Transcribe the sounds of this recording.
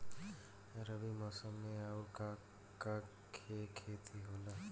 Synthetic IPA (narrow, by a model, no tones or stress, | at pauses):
eɾʌbimʌsʌmːeauɾka | ka | kʰekʰet̪ʰiɦolʌ